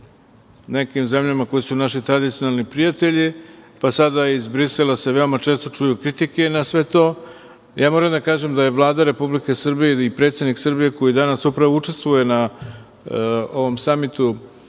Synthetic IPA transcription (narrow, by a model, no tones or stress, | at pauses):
ne̞kimze̞mʎamako̞jisunaʃit̪ɾad̪it̪sijo̞nalˠnipɾijat̪e̞ʎipasad̪aizbɾiselase̞ʋe̞o̞mat͡ʃe̞ːst̪o̞t͡ʂujukɾit̪ike̞nasʋe̞t̪o̞ː | jaːmo̞ɾamd̪akaːʒe̞md̪aje̞ʋlˠaːd̪aɾe̞publike̞srbijeipɾet̪sed̪niksɨrbije̞ko̞jid̪anasupɾaʋout͡ʂe̞st̪vʋuje̞na | o̞ʋo̞msamit̪u